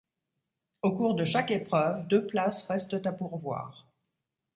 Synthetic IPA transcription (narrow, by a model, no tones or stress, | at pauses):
okuʁd̪əʃakepχœvd̪øplasʁɛst̪ət̪apuʁvwa̰ːʁ